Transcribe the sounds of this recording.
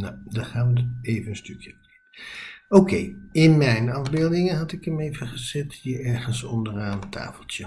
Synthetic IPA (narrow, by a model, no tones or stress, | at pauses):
nadɑχaːʋətejvənənstøkjə | owkejɪnmɛjnɑvbeːlˠdɪŋənɦɑtɪkəmejvəχəzɛthiəɹɛɹχənsɔndəraːnətʰa̰ːfəl̩ˠtjə